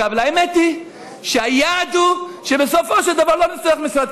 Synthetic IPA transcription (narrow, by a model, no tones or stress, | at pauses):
avlaemɛt̪i | ʃeajad̪uʃebesofoʃɛld̪avaʁlonisoeχmisɾat̪